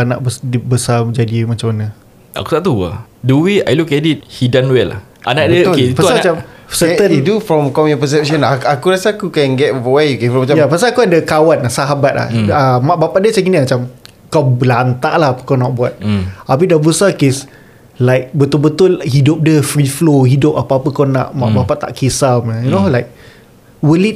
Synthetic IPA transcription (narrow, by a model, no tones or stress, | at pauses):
ana̰ʔbəsdbəsaməd͡ʒadimat͡ʃamana | a̰ku̥t̪aʔt̪ua̰duwia̰jlukɛdit̚hidanwɛla̰h | ʔa̰naʔdəipausamaat͡ʃamsət̪ənt̪ufɾɔmkɔmjɔ̃pəs̬ɛp̚ʃɔ̃naakuɾasaakukɛ̃nɡɛt̚əwaukefɔ̃mat͡ʃajapasaːkuadəkawanlasaɦabat̪̚la̰hamaʔbapaʔdiət͡ʃakinimat͡ʃam | kawbəlant̪aʔlahapə̥kawnaʔbuat̪̚apidabəsakes | laɪk̚bət̪ʊlbət̪ʊlhidop̚dəfɾifloɦidʊp̚apaːpəkawna̰ʔma̰ʔbapaʔt̪a̰ʔkesaməjunoɦalajk̚ | wəlit̚